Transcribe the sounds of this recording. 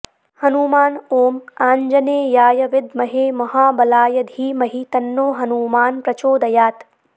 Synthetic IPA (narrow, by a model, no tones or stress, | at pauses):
hɐnuːmaːnoːmaːɲd͡ʒɐneːjaːjɐʋɪd̪mɐɦeːmɐɦaːbɐlaːjɐd̪ʱiːmɐɦit̪ɐnːoːɦɐnuːmaːnpɾɐt͡ʃoːd̪ɐjaːt̪